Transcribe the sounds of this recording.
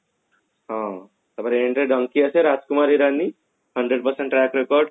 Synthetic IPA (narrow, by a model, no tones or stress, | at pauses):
ɦã | t̪ɐbəɾeɳʈɾeɖəŋkiɐseɾad͡ʒkumaɾiɾanːi | həɳɖɾeɖpɐɾsẽɳʈːɾɛkɾekɔɾɖ